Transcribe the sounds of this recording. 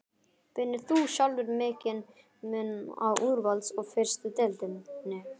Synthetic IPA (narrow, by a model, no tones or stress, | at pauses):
pɪnːɪθuːɕalvʏɾmɛːcɪn | mɛna̰wʔuɾvalt̪sɔɣfɛr̥st̪ɪt̪ɛlt̪ɪnnɛ